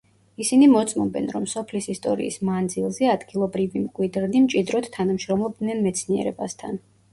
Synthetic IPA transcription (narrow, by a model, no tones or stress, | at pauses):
isinimɔt̪sʼmɔbɛ̰nɾɔmsɔpʰlisist̪ʼɔɾḭːsmand̪zilˠzɛad̪ɡilˠɔbɾivimkʼwid̪ɾnimt͡ʃʼid̪ɾɔt̪t̪ʰːanamʃɾɔmlˠɔb̚d̪nɛnmɛt̪sʰniɛ̰ɾɛbast̪ʰa̰n